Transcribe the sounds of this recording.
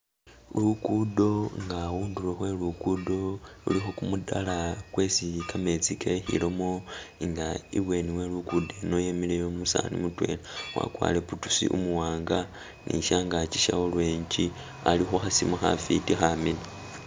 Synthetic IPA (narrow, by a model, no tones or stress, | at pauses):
lukudo̞ŋɡawuːndulexwe̞lukudo̞lṵlixokumuda̰lakwesikʰame̞t͡sikexḭlomoiŋɡaḭβwe̞niwe̞lukude̞no̞jemilejomusa̰nḭmutwe̞̰lewa̰kwa̰ːleputu̥sḭʔṵmuwaːŋɡa | nḭʃaŋɡat͡ʃi̥ʃaolweːɲt͡ʃi | alixuxasimaxa̰fitixamila